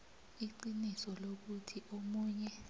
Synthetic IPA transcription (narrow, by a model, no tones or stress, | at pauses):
iǃinisɔlok̬utʰiʔomuːɲɛ